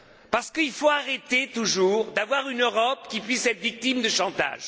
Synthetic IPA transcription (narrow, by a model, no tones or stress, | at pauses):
paʁsə̥kəilfoaʁet̪et̪uʒuʁd̪avwaʁynøʁɔpkʲipɥisɛt̪ʁvik̚t̪imd̪əʃɑ̃t̪a̰ʒ